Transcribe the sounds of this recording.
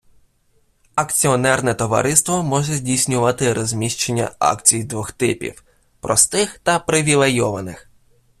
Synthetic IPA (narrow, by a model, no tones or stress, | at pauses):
ɐkt͡sʲiɔnɛrnɛt̪ɔʋɐ̰ɾʔɪst̪ʋɔmɔʒɛzʲdʲijsʲnʲʊʋɑt̪ɪɾɔzʲmʲiʃt͡ʃenʲːɐ̰ɑ̰kt͡sʲijd̪ʋɔxt̪ɪpʲḭw | pɾɔst̪ɪxt̪ɐpɾɪʋʲilˠejɔʋɐnɪ̰x